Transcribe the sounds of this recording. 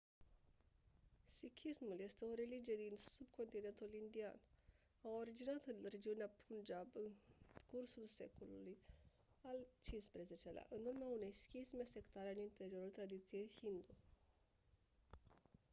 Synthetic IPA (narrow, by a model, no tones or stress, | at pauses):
sikʲʰismulje̞st̪e̞o̞ɾe̞lid͡ʒije̞d̪insub̚kʰo̞nt̪ine̞nt̪ulind̪ia̰n | awo̞ɾid͡ʒinat̪ɨnre̞d͡ʒiuneapʰund͡ʒabɨnkursulse̞̰koluluj | alt͡ʃinspɾe̞ze̞t͡ʃe̞lea̰ʔɨnurmeaune̞jskʲismese̞kt̪aɾeɨnint̪e̞ɾio̞ɾult̪ɾad̪it̪sije̞jhind̪u